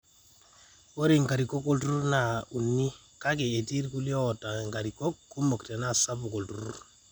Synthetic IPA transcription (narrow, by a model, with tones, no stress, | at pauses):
wo˦ɾi˨ŋɡa˨ɾi˨ko˦kːo˦ltu˦u˦na˨u˨nːi˦ | ka˦k̬e˨e˨ti˦ɾku˦ljo˦˨ta˨ŋɡa˨ɾi˨ko˦kːu˦mo˨kte˨na˦sa˦bu˨ko˨ltu˨ɾu˦ɾ